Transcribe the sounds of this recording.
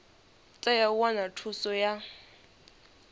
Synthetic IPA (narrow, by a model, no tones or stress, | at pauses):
t͡sʼɛjauanatʰusɔja